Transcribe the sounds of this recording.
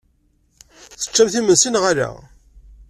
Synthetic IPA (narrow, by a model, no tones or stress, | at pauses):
θə̥t͡ʃːæmθimənsinʁaɾa̰